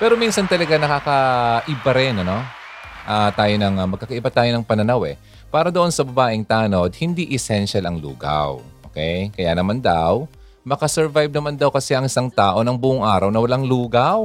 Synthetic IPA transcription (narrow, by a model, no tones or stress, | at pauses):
pɛːɾo̞minsɐnt̪ɐlɐɡanɐkaːkɐʔɪbɐɾɛnɐno̞ʔaːt̪aːjonɐŋɐmɐɡ̚kakɐʔɪbat̪aːjo̞nɐŋpɐnɐnawɛ | paːɾɐd̪oʔo̞nsɐbɐbaːʔɪŋt̪aːno̞d̪̚hɪnd̪iʔɛsɛnʃalɐŋlṵːɡa̰wʔo̰kɛjkɐja̰nɐmand̪aw | mɐkɐsɛɹvajb̚nɐmand̪ɐwkɐsɛɐŋɪsaŋt̪aːʔo̞nɐŋbuːʔʊŋʔaːɾɐwnɐwɐlaŋluːɡaw